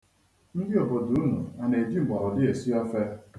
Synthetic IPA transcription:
n̩˦dɪ˦ɔ˨bo˨du˨u˦nṵ˨a˨ne˨di˦˨ɡ͡ba˨ɾʊ˨dɪ˦e˨si˦ɔ˦fe˦

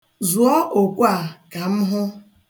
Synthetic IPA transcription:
zu˨ɔ˦ʔo˨kʷa˨ka˨m̩˦ɦʊ˦

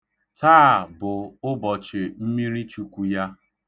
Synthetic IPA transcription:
taː˦˨bʊ˨ʊ˦bɔ˨t͡ʃɪ˨m̩˦mi˦ɾi˦t͡ʃu˦kʷu˦ja˦

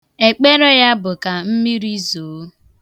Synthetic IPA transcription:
e˨k͡pe˦ɾe˦ja˦bʊ˨ka˨m̩˦mi˦ɾi˦zoː˨˦

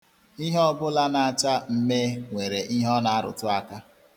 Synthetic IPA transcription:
i˦ɦɔ˦bʊ˦la˦na˨a˨t͡ʃa˦m̩˦me˦ŋʷe˨ɾe˨ʔi˦ɦɔ˦na˨a˦ɾʊ̰˨tʊ˦a˦ka˦

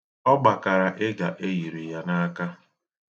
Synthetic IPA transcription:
ɔ˦ɡ͡ba˨ka˨ɾa˨ʔɪ˦ɡa̰˨ʔe˦ji˨ɾi˨ja˦na˦a˦ka˦

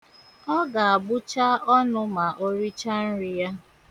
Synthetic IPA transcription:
ɔ˦ɡa˨a˨ɡ͡bʊ˦t͡ʃa˦ɔ˦nʊ˦ma˨ʔo˦ɾi˦t͡ʃa˦n̩˦ɾi˦ja˦

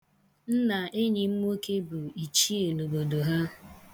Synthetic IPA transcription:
n̩˦na˨ʔe˦ɲɪ˨m̩˦m˦o˦ke˦bu˨i˨t͡ʃi˦e˨no˨bo˨do˨ɦa˦

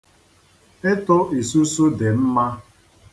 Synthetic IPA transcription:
ɪ˦tʊ˦ʔi˨su˦su˦dɪ˨m̩˦ma˦

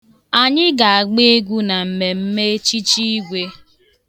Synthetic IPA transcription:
a˨ɲɪ˦ɡa˨a˨ɡ͡be˦e˦ɡʷu˦na˨m̩˨me˨m̩˦me˦t͡ʃi˦t͡ʃi˦ɡʷe˦

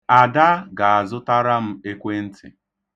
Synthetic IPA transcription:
a˨da˦ɡa˨a˨zʊ˦ta˦ɾa˦m̩˦e˦kʷe˦n̩˦tʰɪ̰˨

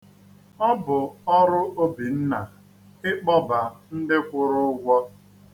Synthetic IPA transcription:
ɔ˦bʊ˨ɔ˦ɾʊ˦ʔo˦bi˨n̩˦na˨ | ɪ˦k͡pɔ˦ba˨n̩˦dɪ˦kʷʊ˦ɾʊ˦ʊ˦ɡʷɔ˦

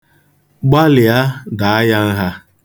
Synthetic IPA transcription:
ɡ͡ba˦lɪ˨a˦da˨a˦ja˦n̩˦ɦa˦

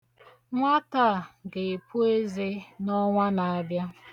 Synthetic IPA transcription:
ŋʷa˦ta˦˨ɡe˨pu˦e˦ze˦nɔ˦ŋʷa˦na˨a˦bja˦

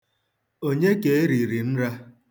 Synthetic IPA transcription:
o˦ɲe˦ke˨e˦ɾi˨ɾi˨n̩˦ɾa˦

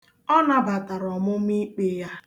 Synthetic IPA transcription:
ɔ˦na˦ba˨ta˨ɾɔ˨mʊ˦mi˦k͡pe˦ja˦

